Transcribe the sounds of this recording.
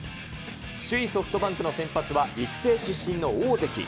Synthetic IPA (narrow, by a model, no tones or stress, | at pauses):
ɕɨiso̞ɸɯ̟̥t̪o̞bãŋkɯ̟no̞sẽ̞mpat͡sɨβaiki̥se̞ːɕɨɕːĩnːo̞oːze̞kʲḭ